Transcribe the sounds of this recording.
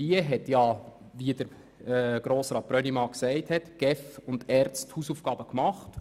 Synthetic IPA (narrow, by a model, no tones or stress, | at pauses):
iəɦɛtjɑ | ʋiədəɾ | ɡ̥ɾoːsɾɑːt̚b̥ɾœnimɑksɛɪthɛtɡ̥ɛfʊndɛːɾt͡sthuːsuːfɡ̥ɑːbəkmɑχt